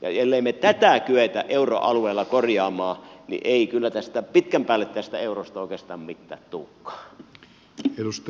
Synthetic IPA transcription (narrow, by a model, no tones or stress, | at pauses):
jɑ̰jelːeimːet̪æt̪ækyet̪æ̰ʔʔeuro̰ʔɑlueˑːlːɑkorjɑːmɑːnḭʔeˑikylːæt̪æst̪æpit̪kæmpæːlːet̪t̪æst̪æeurost̪ɑoˑikˑeːst̪ɑːmmit̪ːæ̰ːt̪t̪uːkːɑ̥ː | edust̪